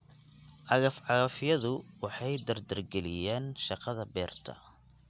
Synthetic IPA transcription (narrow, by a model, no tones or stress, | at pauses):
ʔɑɣɐfʕɑɣɐfɪjɐðʊwɑħɑjd̪ɐrd̪ɐrɡɛlɪjaːnʃɑqɑðɐbɛːrt̪ʰɐ̰